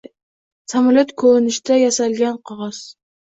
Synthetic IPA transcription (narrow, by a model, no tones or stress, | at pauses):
samɒlat̪kʰɵnɪʃt̪ajasalɡʲanqʰɑʁɑs